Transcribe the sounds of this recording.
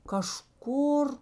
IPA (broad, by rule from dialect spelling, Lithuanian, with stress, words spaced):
kɐˈʃkʊr